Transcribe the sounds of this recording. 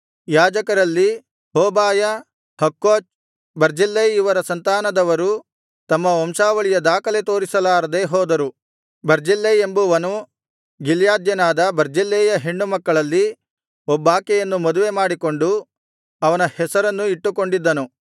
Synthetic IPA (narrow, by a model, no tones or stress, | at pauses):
jaːd͡ʒɐkɐɾɐlːi | ɦoːbaːjɐ | hɐkːoːt͡ʃ | bɐɾd͡ʒilːɐjiʋɐɾɐsɐnt̪aːnɐd̪ɐʋɐɾu | t̪ɐmːɐomʃaːʋɐɭijɐd̪aːkɐlet̪o̞ːɾisɐlaːɾɐd̪eɦɔːd̪ɐɾu | bɐɾd͡ʒilːɐjembuʋɐnu | ɡiljaːd̪jɐnaːd̪ɐbɐɾd͡ʒilːeːjɐɦeɳɖumɐkːɐɭɐlːi | ɔbːaːkɛjɐnːumɐd̪uʋe̞maːɽiko̞ɳɖu | ɐʋɐnɐhɛsɐɾɐnːuiʈːuko̞ɳɖid̪ːɐnu